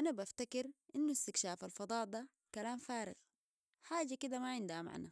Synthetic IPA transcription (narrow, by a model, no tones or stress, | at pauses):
ʔanabaft̪akɪɾʔinːust̪ɪkʃaːfalfɑd̪ˤɑːʔd̪a | kalaːmfaːɾɪ̰ɣ | ħaːd͡ʒakid̪amaʕɪnd̪hama̰ʕna